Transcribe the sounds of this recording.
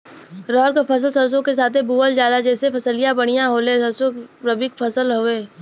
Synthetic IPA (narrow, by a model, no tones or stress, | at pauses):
ɾɔːɾkapʰɐs̬əlsɐɾs̬õkes̬aːt̪ʰebuːəld͡ʒaːlad͡ʒɛːsepʰɐsəlijãbɐɽ̃ijãɦoːlẽːsɐɾsõɾɐbɪkpʰɐsəlɦoːeː